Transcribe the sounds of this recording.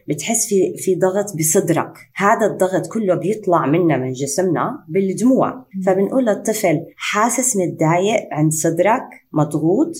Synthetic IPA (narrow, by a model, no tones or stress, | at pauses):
bɪt̪ħɪsːfifid̪ˤɑɣt̪ˤbɨsˤɨd̪ɾˤɑ̰khaːd̪ad̪ˤːɑɣt̪ˤkʊlːobjɨt̪ˤlɑʕmɪnːamɪnʒɪsɪmna̰bɪld̪muːʕfabɪnʔuːlːɨt̪ˤːɨflħaːsɪsmɪɪd̪ːaːjɪʔʕɪnd̪sˤɨd̪ɾˤɑkmɑd̪ˤɣuːt̪ˤ